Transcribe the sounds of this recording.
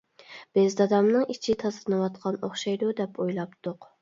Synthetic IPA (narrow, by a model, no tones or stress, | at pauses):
b̥ɪzd̪ɑd̪ɑmnɨŋit͡ʃʰit̪ʰɑzɨnɨwɑt̪qʰɑnoχʃɑjd̪ud̪ɛpʰojlˠɑpt̪ʰʊq